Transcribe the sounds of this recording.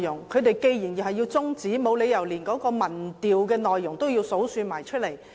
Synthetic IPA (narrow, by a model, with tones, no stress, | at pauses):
jʊ˨˩ŋkʰɵ˨˧ɥt̪e˨jke˧jjiː˨˩nji˨˩hɦɐ˨jiː˧wt͡sʊ˥ŋt͡siː˨˥mo˨˧wle˨˧jɐ˨˩wliː˨˩nkɔː˨˥kɔː˧mɐ˨˩nt̪iː˨wkɛː˧nɔː˨jːʊ˨˩ŋt̪o˥wji˧wso˨˥wsyː˧maː˨˩jt͡ʃʰɵ˥t̚le˨˩j